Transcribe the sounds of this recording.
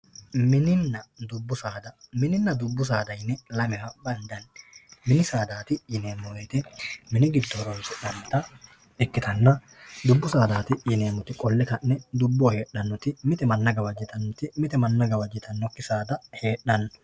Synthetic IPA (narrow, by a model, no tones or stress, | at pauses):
mɪnɪnːɐd̪ʊbːʊsaːd̪ɐmɪnɪnːɐd̪ʊbːʊs̬aːd̪ɐjnːɛlɐmɪhɐbɐnd̪ɐnmɪnɪsaːd̪aːt̪ɪjɪne̞ːmːɔwɛt̪ɛmɪnɪɡɪd̪d̪ɔhɔɾɔnsɪᶑɐmt̪ɐ | ɛkːɪt̪ɐnːɐ | d̪ʊbːʊsaːd̪aːt̪ɪjɪne̞ːmːɔt̪ɪkʼɔlːɛkɐnːɛd̪ʊbːɔhe̞ːɗːɐnːɔt̪ɪmɪt̪ɛmɐnːɐɡɐwɐd͡ʒːɪt̪ɐnːɔt̪ɪmɪt̪ɛmɐnːɐɡɐwɐd͡ʒːɪt̪ʰɐnːɔkːɪsaːd̪ɐhe̞ːɗːɐnːɔ